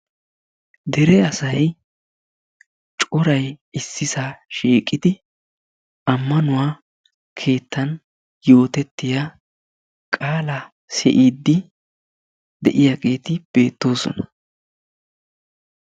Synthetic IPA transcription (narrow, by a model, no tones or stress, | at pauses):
d̪ɛɾɛɐsɐj | t͡ʃʼʊɾɐjɪsːɪsaʃiːkʼːɪd̪ɪ | ɐmːɐnʊwaː | kʰe̞ːt̪ːɐn | jo̞ːt̪ɛt̪ːɪja | kʼaːlɐ | sɛ̰ʔiːd̪ːɪ | d̪ɛʔɪjaɡe̞ːt̪ɪb̥e̞ːt̪ːo̞ːsɔ̰nɐ